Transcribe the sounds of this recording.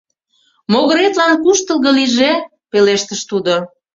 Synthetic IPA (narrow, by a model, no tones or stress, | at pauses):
moɣə̆ɾet̪lɑnkuʃt̪ə̆lˠɣə̆liʒe | peleʃt̪əʃt̪ud̪o